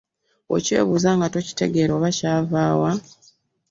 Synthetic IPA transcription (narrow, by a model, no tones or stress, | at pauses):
o̰ce̞̰ːβuzaːŋɡato̞ci̥te̞̰ɡe̞ɾoːβacaːvaːwa